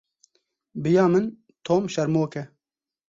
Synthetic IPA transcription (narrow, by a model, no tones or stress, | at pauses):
bɨjɑːmɨn | t̪ʰoːmʃɛɾmoːkɛ